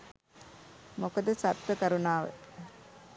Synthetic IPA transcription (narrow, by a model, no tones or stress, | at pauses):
mokod̪əsat̪ʋəkɐɾunaːʋə̰